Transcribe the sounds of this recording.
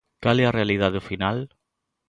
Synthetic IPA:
kalearealiðaðʊfinal

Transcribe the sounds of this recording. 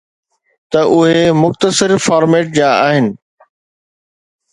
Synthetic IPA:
t̪ɐʔʊɦemʊxt̪əsɪɾfaːɾmeːʈ̚d͡ʑaːaːɦɪnɪ̆

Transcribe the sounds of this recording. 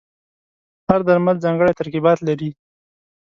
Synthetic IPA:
haɾd̪aɾmalzɑŋɡəɽajt̪aɾkibɑt̪laɾi

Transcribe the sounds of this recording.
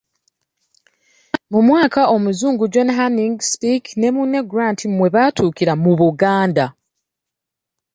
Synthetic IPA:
mumwaːkao̞muzuːŋɡuɟwe̞naɦaniŋɡspiknemuneɡuɾantʰimwe̞βaːtʰuːkiɾamuβuɡaːnda

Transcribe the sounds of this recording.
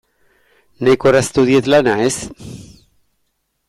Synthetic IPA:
nekoɾast̪uðjet̪lanaes

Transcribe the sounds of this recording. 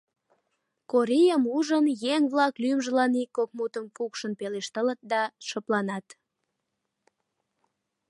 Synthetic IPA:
koɾejəmuʒəmjeŋβlɑklymʒəlɑnikːok̚mut̪əmkukʃənpeleʃt̪ələt̪̚d̪ɑʃəplɑnɑt̪

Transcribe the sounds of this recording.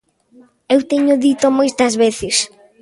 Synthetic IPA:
ewt̪eɲʊðit̪omojst̪ɐzβeθɪs

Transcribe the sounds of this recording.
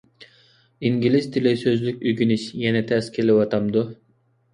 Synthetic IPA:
iŋɡʲilizt̪ʰilesøzlyk̚ʲyɡʲynyʃjɛnɛt̪ʰæskʲʰeliwɑt̪ɑmd̪u

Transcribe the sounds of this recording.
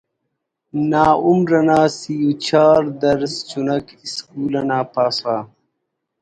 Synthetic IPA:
naːumɾɐnaːsijut͡ɕʰaːɾd̪ɐɾst͡ʃunɐkiskuːlɐnaːpaːsaː

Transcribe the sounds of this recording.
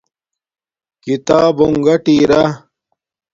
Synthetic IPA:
kit̪aːbuŋɡɐʈiːɾɐ

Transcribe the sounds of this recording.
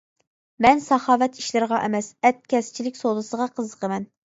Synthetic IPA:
mɛnsɑχɑːvɛt̪ʰi̥ʃlɪɾʁɑʔɛmɛsɛt̪̚kʲɛst͡ʃʰilɪkʲsolˠɨsəʁɑqʰəzəqʰəmɛn

